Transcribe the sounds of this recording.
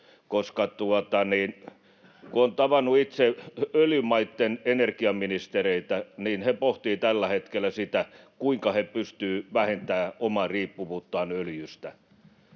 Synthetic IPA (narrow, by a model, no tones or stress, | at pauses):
koskɑt̪uot̪ɑniːn | kuont̪ɑʋɑnːˑuit̪seøljymɑit̪ːenenerkiɑminist̪ereit̪æniːnhepoht̪iːt̪ælːæhet̪kelːˑæsit̪ækuiŋkɑhepyst̪yːʋæhent̪æːomɑriːpːuʋuːt̪ːɑːnøljyst̪æ